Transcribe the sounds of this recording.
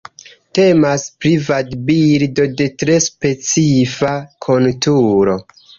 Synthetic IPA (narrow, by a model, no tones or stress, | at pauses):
te̞maspɾivadbiɾdo̞de̞tɾe̞spe̞t͡sifakʰontuɾo̞